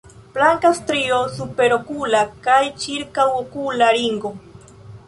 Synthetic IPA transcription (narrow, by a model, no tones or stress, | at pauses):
plaŋkast̪ɾiosupeɾokulakajt͡ʃiɾkawokulaɾiŋɡo